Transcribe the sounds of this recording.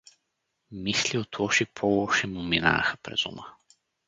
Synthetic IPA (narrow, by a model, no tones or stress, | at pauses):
misliot̪ʰɔʃipʰɔlˠɔʃɛmumina̰xəpɾɛ̰z̥ṵmə